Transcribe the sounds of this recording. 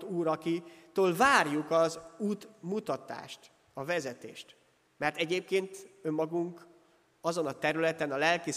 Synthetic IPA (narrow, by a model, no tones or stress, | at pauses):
t̪uːɾɒkit̪oːlvaːrjukɒzuːt̪mut̪ɒt̪a̰ːʃt̪ | ɒvɛzɛt̪ḛːʃt̪ | mɛrt̪ɛɟeːp̚keːnt̪ø̞mːɒɡuŋk | ɒzo̞nɒt̪ɛɾylɛt̪ɛnɒlɛlki